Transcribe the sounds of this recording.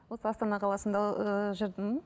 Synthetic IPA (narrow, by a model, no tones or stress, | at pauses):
wo̞səɑst̪ɑnɑqʰɑlˠɑsənd̪ɑʒəɾd̪əm